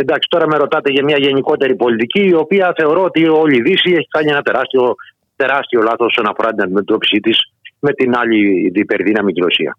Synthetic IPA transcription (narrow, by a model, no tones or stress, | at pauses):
end̪ɐksi̥t̪o̞ɾɐme̞ɾo̞t̪ɐt̪e̞ʝɐmɲɐʝe̞niko̞t̪e̞ɾipo̞lit̪iciːo̞piɐθe̞o̞ɾo̞ot̪io̞ʎiðisie̞çi̥kɐɲienɐt̪e̞ɾɐst̪io̞ | t̪e̞ɾɐst̪io̞lɐθoosonɐfo̞ɾɐt̪inɐd̪imet̪o̞pi̥sit̪is | me̞t̪inɐʎiðipeɾðinɐmiciɾo̞sḭɐ̰